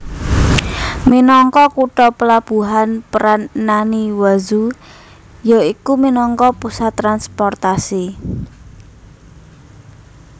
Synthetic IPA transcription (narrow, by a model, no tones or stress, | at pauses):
minɔŋkɔkuʈɔpəlab̥ṳɦanpəɾanːaniwazu | jɔikuminɔŋkɔpusat̪ːɾanspɔrt̪asi